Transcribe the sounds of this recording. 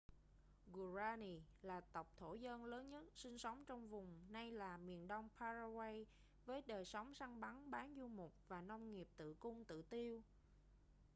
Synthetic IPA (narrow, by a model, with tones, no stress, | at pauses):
ɣu˨˩zaː˧ni˨˩laː˨˩t̪ə˨˩wk͡p̚t̪ʰo˧˩zə˧nləː˨˦nɲə˦˥t̚sï˧ŋ̟sə˨˦wŋ͡mt͡ɕɔ˧wŋ͡mvʊ˨˩ŋ͡mna˧jlaː˨˩mi˨˩ənɗə˧wŋ͡mpʰaː˧za˧wa˧j | vəː˨˦jɗəː˨˩jsɔ˨˦wŋ͡msa˧ŋɓa˨˦nɓaː˨˦nzu˧mʊ˨˩k͡p̚vaː˨˩nɔ˧wŋ͡mŋi˨˩əp̚t̪ɨ̰˧˨kʊ˧ŋ͡mt̪ɨ̰˧˨t̪i˧əw